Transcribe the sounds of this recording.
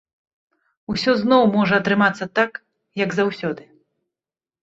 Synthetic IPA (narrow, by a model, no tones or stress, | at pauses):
usʲɔznɔwmɔʐɐːt̪ɾɨmat̪sːɐt̪ak | jɐɡzawsʲɔd̪ɨ